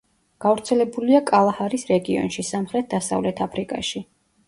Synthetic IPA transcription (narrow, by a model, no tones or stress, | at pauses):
ɡ̥avɾt̪sʰɛlɛbuliakʼalˠahaɾisɾɛɡiɔ̰nʃisamχɾɛt̪̚ʰd̪asa̰vlɛt̪ʰapʰɾikʼa̰ʃi